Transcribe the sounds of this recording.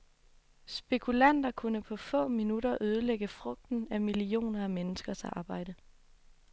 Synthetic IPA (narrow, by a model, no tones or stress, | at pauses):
sb̥e̝kʰulæn̰d̥ɐkʰunəpʰɒ̽fɔ̰̽ːminuɾɐʔøð̞ˠəleɡ̥əfʁɔ̽ɡ̥̚d̥n̩æmilio̝̰ːnɐæmenəsɡ̥ɐsɑ̰̈ːb̥ɑ̈ɪ̰d̥ə